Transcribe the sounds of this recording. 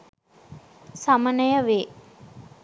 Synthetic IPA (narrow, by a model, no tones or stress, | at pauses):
samənəjəʋeː